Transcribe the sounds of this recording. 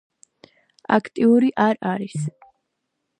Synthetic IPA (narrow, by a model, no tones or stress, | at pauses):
a̰kʰt̪ʼiuɾiʔaɾaɾis